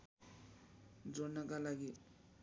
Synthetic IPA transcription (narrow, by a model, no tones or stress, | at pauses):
d͡zɔnakalaɡi